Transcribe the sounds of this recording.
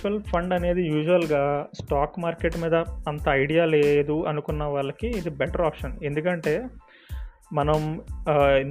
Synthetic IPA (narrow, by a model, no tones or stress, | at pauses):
pɐlpʰɐɳɖɐne̞ːd̪ijuːʒuʋɐlɡaːsʈaːkmaːɾke̞ʈmiːd̪ɐɐnt̪ɐːjɽijaːle̞ːd̪uɐnukunːɐʋaːɭːɐkiːd̪ibɛʈɐɾaːpʂɐne̞nd̪ukɐɳʈe̞ː | mɐnɐm